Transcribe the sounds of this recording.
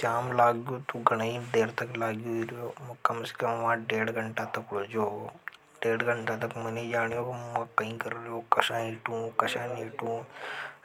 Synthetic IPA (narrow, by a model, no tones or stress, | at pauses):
t͡ʃaːmlaːɡjot̪uɡɐɽ̃aid̪eːɾt̪ɐklaːɡjoiɾjoːmɐkɐmsi̥kɐmʋãːɖeːɽɡɐɳʈat̪ɐkɽoːd͡ʒoː | ɖeːɽɡəɳʈãt̪ɐkmɐned͡ʒaːɽjoːkimɐ̃kɐĩːkɐɾɾjoːkɐʃãːiʈũːkɐʃãːniːʈũː